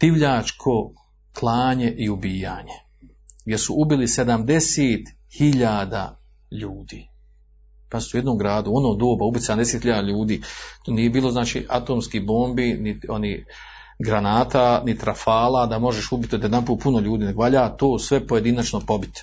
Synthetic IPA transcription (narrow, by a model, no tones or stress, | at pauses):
t̪iʋʎaːt͡ʃkʰo̞ | kʰlˠaːɲe̞ʔiubiːjaːɲe | ɡjesṵʔubilise̞d̪amd̪eseːt̪ | hiʎaːd̪a̰ | ʎuːd̪iː | passujed̪nomɡɾaːd̪uonoːd̪oːbaubit̪sed̪amd̪eset̪hiʎaːd̪aʎuːd̪iːt̪oniːjebiːlˠo̞znaːt͡ʃḭʔat̪oːmskiboːmbinioni | ɡɾanaːt̪aːnit̪ɾafaːlaːd̪amo̞ʒeʃubit̪jod̪jed̪anpuːt̪̚punoʎuːd̪iːneɡʋaːʎaːt̪oːsʋe̞po̞je̞d̪inat͡ʃnopo̞bit̪